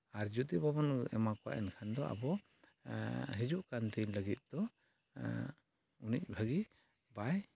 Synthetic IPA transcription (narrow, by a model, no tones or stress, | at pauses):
aɾd͡ʒut̪ibabɔnɛ̰makɔwa̰ʔɛnkʰand̪ɔʔa̰bɔ | ɦid͡ʒuʔkant̪iləɡit̪̚ˀd̪̥ɔ | unic̚ˀbʱəɡi | baj